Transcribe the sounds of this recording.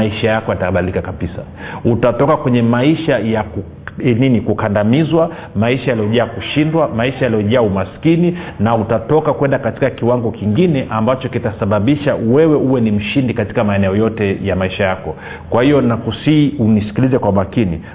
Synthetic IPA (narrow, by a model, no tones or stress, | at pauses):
aiʃajakɔjataɓalikakabisa̰ | utatɔkakwɛɲɛmaiʃajaku | ninikukandamizwa | maiʃajalijɔʄaːkuʃindwamaiʃajalijɔʄaːumaskininautatɔkakwɛndakati̥kakiwaŋɡɔkiŋɡinɛʔambat͡ʃɔkitasaɓaɓiʃawɛwɛuwɛnim̩ʃindikati̥kamaɛnɛɔjɔtɛjamaiʃajakɔ | kwahijɔnakusiːunisi̥kilizɛkwamakinḭ